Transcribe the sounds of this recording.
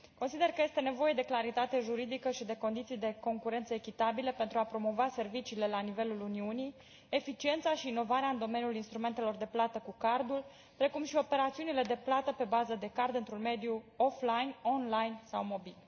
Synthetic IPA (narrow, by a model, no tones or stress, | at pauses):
ko̞nsid̪e̞rkəje̞st̪e̞ne̞vo̞je̞d̪e̞klaɾit̪at̪e̞ʒuɾid̪ikəʃid̪e̞ko̞nd̪it̪sijd̪e̞ko̞ŋkuɾe̞nt̪səekʲit̪abilepe̞nt̪ɾuapɾo̞mo̞vase̞rvit͡ʃiːle̞lanive̞luluniunij | e̞fit͡ʃie̞nt̪saʃiːno̞vaɾeaɨnd̪o̞me̞njulinst̪ɾume̞nt̪e̞lo̞rd̪e̞plat̪əkukard̪ul | pɾe̞kumʃio̞pe̞ɾat̪siunile̞d̪e̞plat̪əpe̞bazəd̪e̞kard̪ɨnt̪ɾunme̞d̪ijuoflajno̞nlajnsawmo̞bil